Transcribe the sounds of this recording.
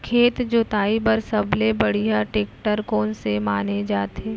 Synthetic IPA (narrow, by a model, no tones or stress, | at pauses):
kʰeːt̪d͡ʒʊt̪aːipɐɾsɐblebɐɽijaʈeːkʈəɾkɔːnsemaːned͡ʒaːt̪eː